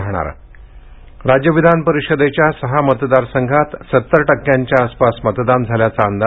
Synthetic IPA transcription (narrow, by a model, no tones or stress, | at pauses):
ɦɳ̃a̰ɾ | ɾad͡ʑjəʋid̪ʱanpəɾiʂəd̪et͡ɕjasəɦamət̪d̪aɾsəŋɡʱat̪sət̪ːəɾʈəkjaɲt͡ɕjaːspasmət̪d̪and͡zʱaljat͡saːnd̪a